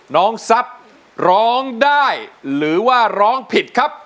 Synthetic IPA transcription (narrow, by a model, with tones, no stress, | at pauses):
nɔː˦˥ŋsa˦˥p̚ | ɾɔː˦˥ŋdaː˥˩jɾɯː˩˦waː˥˩ɾɔː˦˥ŋpʰi˨˩t̪̚kʰa˦˥p̚